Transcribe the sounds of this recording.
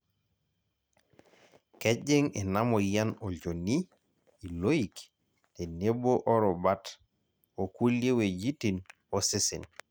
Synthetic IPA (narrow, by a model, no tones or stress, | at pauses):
keɟeŋenamojanooniː | lojik | teneboʔɔɾɔbat | okulːewed͡ʒitin | osisin